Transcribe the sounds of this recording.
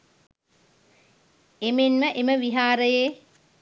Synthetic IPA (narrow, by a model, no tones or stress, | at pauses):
emenməʔeməʋiɦaːɾəjeː